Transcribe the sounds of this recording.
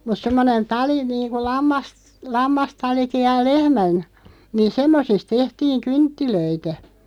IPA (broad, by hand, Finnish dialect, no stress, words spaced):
mut semːonen tɑli niːnku lɑmːɑs lɑmːɑstɑliki jɑ lehmæn niːn semːosist̆ tehtiːŋ kyntːiløitæ